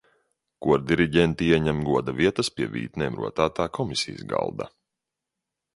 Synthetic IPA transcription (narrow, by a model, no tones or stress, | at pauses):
kuɔɾd̪iɾiɟɛnt̪iiɛɲæmɡuɔd̪aviɛt̪aspʲiɛvʲḭːt̪nɛːmɾṵɔt̪aːt̪aːkʰɔmisḭjsɡa̰lˠd̪a̰